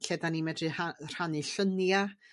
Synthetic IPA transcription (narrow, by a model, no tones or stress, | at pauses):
ɬɛdanimɛdrɨhar̥aniɬənja